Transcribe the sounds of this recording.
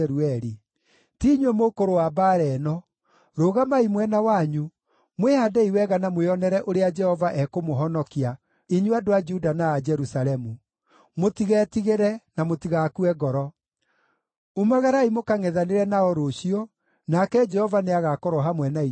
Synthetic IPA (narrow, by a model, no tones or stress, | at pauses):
ɾuɛɾi | tiɲɛmokoɾowabaːɾɛnɔ | ɾoɣamaimwɛnawaɲu | mwehadɛiwɛɣanamweɔnɛɾɛʔoɾead͡ʒɛhɔvaʔɛkomoɦɔnɔkia | iɲuadoad͡ʒudanaːd͡ʒɛɾusalɛmu | motiɣɛːtiɣeɾɛnamotiɣakuɛɡɔɾɔ | umaɣaɾaimokaŋɛðaneɾɛnaɔɾoɕiɔ | nakɛd͡ʒɛhɔvaneaɣakɔɾɔɦamwɛnai